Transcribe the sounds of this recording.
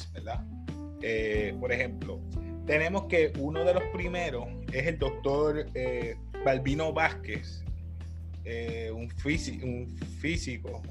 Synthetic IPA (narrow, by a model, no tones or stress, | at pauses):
beɾd̪a | epo̞ɾe̞hẽ̞mplo̞̰ | t̪e̞nẽ̞mo̞ske̞ʔuno̞ðe̞lo̞spɾime̞ɾo̞s | e̞se̞ld̪o̞k̚t̪o̞ɾe | balbino̞βaskes | e | uɱfisiuɱ | fisiko̞